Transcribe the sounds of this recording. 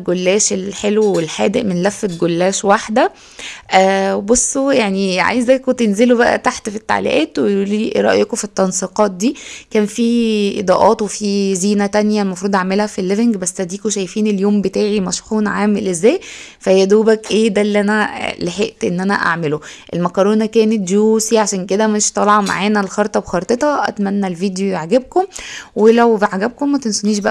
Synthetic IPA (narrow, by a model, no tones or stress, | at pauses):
ɡolːæːʃelħelwwelħæ̰ːd̪eʔmenlæfːet̪̚ɡolːæːʃwaħd̪æ | ʔwebosˤːojaʕniʕa̰jezæjkot̪ːenzelobæʔæ̰t̪aħt̪fit̪ːa̰ʕlḭʔæ̰ːt̪weuliɾˤɑʔjekofit̪ːɑnsiqɑːt̪̚d̪iːkæːnfiːʔḛd̪ˤɑːʔɑːt̪wefiːziːnæt̪ænjælmɑfɾˤuːd̪ˤʔaʕmelhæfilːeveŋɡbæsːæd̪iːkoʃæjfiːneljoːmbet̪æːʕimæʃxuːnʕaːmelʔezːæːj | fæjæd̪uːbækʔeːd̪ælːiʔænæleħeʔt̪ʔenːʔænæ̰ʔa̰ʕmeloʔelmækɑɾˤoːnækæːnet̪̚d͡ʒuːsiʕaʃæːnked̪æmeʃt̪ˤɑlɑʕɑma̰ʕaːnælxɑɾt̪ˤɑbxɑɾˤt̪ˤet̪hɑʔæ̰t̪mænːælviːd̪joʕaɡæb̚komwelæwbaʕaɡæb̚komːæt̪ensoniːʃ̬bæʔ